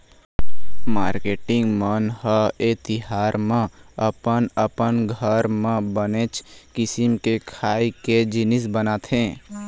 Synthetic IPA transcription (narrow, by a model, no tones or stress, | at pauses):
maːɾkeːʈɪ̃ŋɡmənhəet̪ɪɦaːɾmẽ | əpənəpənɡʱəɾmẽbəneːt͡ʃkɪsɪmkekʰaːiked͡ʒɪnɪsbənaːt̪ʰɦẽː